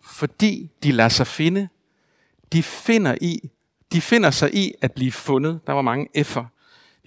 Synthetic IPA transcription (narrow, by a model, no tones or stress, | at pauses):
fɒ̽d̥ḭːd̥ilæsɑ̈ɪfe̝nə | d̥ife̝nɐʔi | d̥ife̝n̰ɐsɑ̈ɪʔiæd̥̚b̥liːfɔ̽nəð̞̩ˠd̥ɑ̈ʋɑ̈mɑ̈ŋəʔefɐ